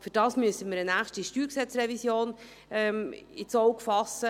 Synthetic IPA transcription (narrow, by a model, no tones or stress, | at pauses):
fyɾd̥ɑːsmyəsəmiːɾənæːχʃtiʃtyːɾksɛt͡srɛvisjoːn | ɛmɪt͡sɔʊkfɑsːə